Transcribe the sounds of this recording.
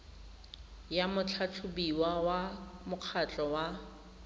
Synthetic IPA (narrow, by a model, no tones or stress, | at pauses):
jamʊt͡ɬʰat͡ɬʰʊbiwawamʊq͡χʰat͡ɬʼɔwa